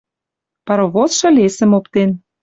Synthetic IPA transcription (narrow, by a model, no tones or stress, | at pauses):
pɑɾoβot͡sʃɤ̆lesə̆mopt̪en